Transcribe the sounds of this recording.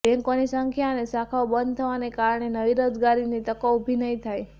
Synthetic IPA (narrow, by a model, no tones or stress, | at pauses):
bɛ̃ŋkonisəŋkʰjanesakʰaobənd̪̚t̪ʰəʋanekaɾɳenəʋiɾod͡ʒɡaɾinit̪əkoubʱinəɦĩt̪ʰaj